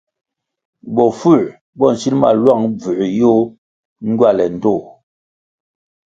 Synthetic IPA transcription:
bɔ˨fu˦˨ | bɔ˦˨n̩˨si˦nma̰˦˨lwa˦˨ŋb͡vʉ˨jo˦ | ŋ̩˦ɡwa˦˨lɛ˨n̩˨to˦˨

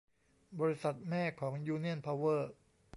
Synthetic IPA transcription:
bɔː˧ɾi˦˥sa˨˩t̪̚mɛː˥˩kʰɔː˩˦ŋjuː˧ni˥˩ənpʰa˧wɤː˥˩

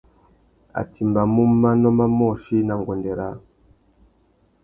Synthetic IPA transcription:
a̰˨ti˨mba˨mu˦ma˦nɔ˦ma˦mɔ˦˨ʃi˦na˨ŋɡɔ˨ndɛ˨ɾa˨

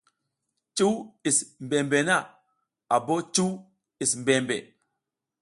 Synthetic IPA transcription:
t͡ʃu˦wi˨smbe˨mbe˨na˦˨ | a˨bo˦t͡ʃu˦w | i˨smbe˨mbḛ˨

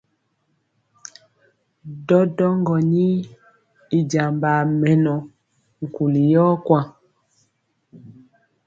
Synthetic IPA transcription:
dɔ˦dɔ˦ŋɡɔ˨ɲi˦ | i˨d͡ʒa˨mba˨mɛ˨nɔ˨ | ŋ̩˨ku˨li˨jɔ˦kwa˦

